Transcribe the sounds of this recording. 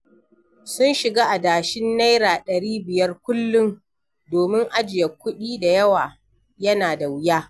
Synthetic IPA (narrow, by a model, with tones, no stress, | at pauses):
sʊ˦nʃɪ˨ɡaː˦ʔa˨daː˨ʃɪ˦nːa˦jɾaː˨ɗɐ˨ɽiː˦bɪ˨jɐ˦rkʷʊ˦lːʊ˦ŋ | doː˨mɪ˦ŋʔa˦d͡ʒɪ˨jɐ˨kʷːʊ˦ɗiː˦da˨jɐ˦waː˨ | jɐ˦naː˨da˨wʊ˦jaː˦